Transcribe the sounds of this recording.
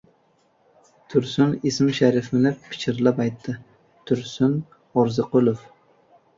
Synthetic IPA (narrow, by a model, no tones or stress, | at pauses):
t̪ʰʊɾsʊnesmɪʃaɾɪfɪnɪpʰːɪ̥t͡ʃʰɪɾlapajt̪ʰːɪ | t̪ʰʊɾsʊn | ɒɾzɪqʰʊlˠof